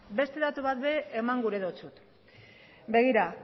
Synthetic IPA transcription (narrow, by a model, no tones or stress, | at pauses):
be̞st̪e̞ðat̪uβat̪̚be̞ʔːmaŋɡuɾe̞ðot͡sut̪ | be̞ɣ̞iɾa